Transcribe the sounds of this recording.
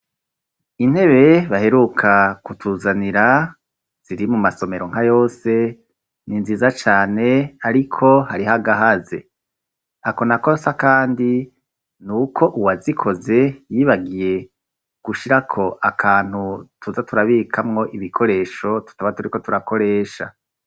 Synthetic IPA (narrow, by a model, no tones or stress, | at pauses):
in̥he̞βe̞βahe̞ɾukʰakutʰuːzaniɾa | z̥iɾimumaso̞me̞ɾo̞ŋ̥ajo̞ːse̞ | ninziːzat͡ʃaːne̞aɾikʰo̞haɾiɦaɡaɦaze̞̰ | ako̞nakosakaːndi | nukʰo̞ʔuwazikʰo̞ze̞jiːβaɡije̞ | ɡ̥uʃiɾakʰo̞ʔakʰaːn̥hutʰuzatuɾaβikʰamŋo̞ʔiβikʰo̞ɾe̞ːʃo̞tu̥taβatuɾiko̞tuɾako̞ɾe̞ːʃa̰